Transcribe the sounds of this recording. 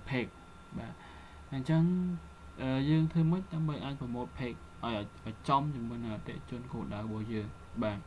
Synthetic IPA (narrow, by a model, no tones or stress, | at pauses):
pʰeːk̚ | ɓaːt | ɲt͡ɕəŋ | ʔəːjəːŋt̪ʰəːmɨc̚ɗ̪aəmɓəjʔaːc̚prɑmoːt̚pʰeːk̚ʔaɔjʔac̚t͡ɕɑmt͡ɕɨmːuəjnəŋʔat̪ːɛ̰̆əʔt͡ɕʊ̆ənkoːɗaərɔɓɑəhjəːŋ | ɓaːt̪̚